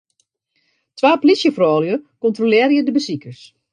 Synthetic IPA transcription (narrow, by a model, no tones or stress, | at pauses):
tʋaːpolisjəfrɔːljəkɔntrolɪəɾjədəbəsikərs